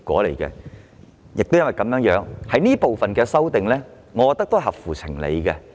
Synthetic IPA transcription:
kʷɔ̰ː˨˥lḛ˨˩jkɛ̰˧ | jʔɪ˨k̚t̪wjɐ˥nwɐ˨jkɐ˨˧mjœː˨˥ŋjœː˨˧˥ŋhɐ˨˥jniː˥po˨wfɐ˨nkɛː˧sɐ˥wt̪ɪ˨ŋlɛː˥ | ŋɔ˨˧kɔ˨˧t̪ɐ˥t̪o˥˨ɦɐ˨˩p̚fuː˨˩t͡sʰɪ˨˩ŋlḛ˨˧jkɛ˧

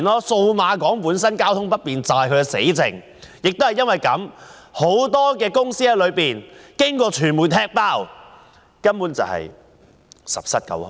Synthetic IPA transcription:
nɔː˥so˧wmaː˨˧kɔː˨˥ŋpuː˨˥nsɐ˥nkaː˥wt̪ʰʊ˥ŋpɐ˥t̚piː˨nt͡saː˨jkʰɵ˨˧kɛ˧sḛ˨˥jt͡sɪ̰˨˩ŋ | jɪ˨k̚t̪o˥hjɐ˥nwɐ˨˩jkɐ˨˥mho˨˥wt̪ɔː˥kɛː˧kʊ˥ŋsiː˥hɐ˨˧jlɵ˨˧ɥpiː˨˩nkɪ˥ŋkɔː˧t͡ʃʰyː˨˩nmu˨˩t̪ʰɛː˥k̚paː˥˩w | kɐ˥mpuː˨˥nt͡sɐ̰˨whɐ̰˨˩j | sɐ̰˨p̚sɐ˥t̚kɐ̰˨˥wh

